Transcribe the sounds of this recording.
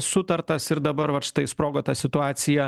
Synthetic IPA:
sʊt̪ɐɾt̪ɐsɪɾd̪ɐbɐɾʋɐtʃʲɪ̥t̪ɐɪspɾoːɡoːt̪ɐsʲɪt̪ʊɑːsʲɪjɛ

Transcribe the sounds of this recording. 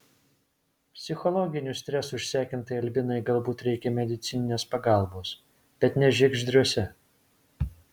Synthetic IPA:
pʲsʲɪxɔlˠɔɡʲɪnʲʊsʲt̪ʲɾʲɛsʊɪʃʲsʲæːkʲɪnt̪ɐɪɐlʲbʲɪnɐɪɡɐlˠbuːt̪ɾʲɛɪkʲɛmʲɛd̪ʲɪt̪sʲɪnʲɪnʲeːspɐɡɑˑlˠboːs | b̥ʲɛt̪nʲɛʒʲɪɡʒʲd̪ʲɾʲuɔsʲɛ

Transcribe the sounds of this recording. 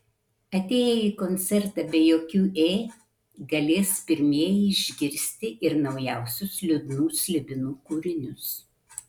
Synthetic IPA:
ɐt̪ʲeːjɛiːkɔnʲt̪sʲɛɾt̪ɑbʲɛjoːkʲuːʔeː | ɡɐlʲeːspʲɪɾʲmʲiɛjɛɪʒʲɡʲɪɾʲsʲt̪ʲɪʔɪɾnɒʊjæˑʊsʲʊslʲʊd̪nuːsʲlʲɪbʲɪnuːkuːɾʲɪnʲʊs

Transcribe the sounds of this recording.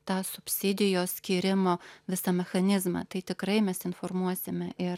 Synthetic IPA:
t̪ɑːsʊpʲsʲɪd̪ʲɪjoːsʲkʲiːɾʲɪmoːʋʲɪsɐmʲɛxɐnʲɪzmɑ̰ːt̪ɐɪt̪ʲɪkɾɐɪmʲɛsɪnfoːɾmuɔsʲɪmʲɛʔɪɾ

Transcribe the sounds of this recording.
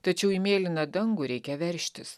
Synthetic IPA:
t̪ɐt͡ʃʲɛʊimʲeːlʲɪnɐd̪ɐŋɡuɾʲɛɪkʲɛʋʲɛɾʲʃʲt̪ʲɪs

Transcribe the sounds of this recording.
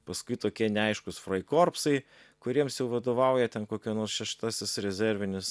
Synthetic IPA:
pɐskʊɪt̪oːkʲiɛnʲɛɐɪʃkʊsfɾɐɪkoːrpsɐɪ | kʊɾʲiɛmsjɛʊʋɐd̪oːʋɐˑʊjɛt̪ʲɛnkoːkʲɛnoːɾsʃʲɛʃt̪ɑsʲɪsɾʲɛzʲɛɾʲʋʲɪnʲɪs

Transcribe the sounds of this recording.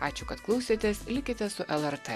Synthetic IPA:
ɑːt͡ʃʲʊkɐt̪klˠɐʊsʲeːt̪ʲeslʲɪkʲɪt̪ʲɛsʊʔɛlˠɛɾt̪ɛ

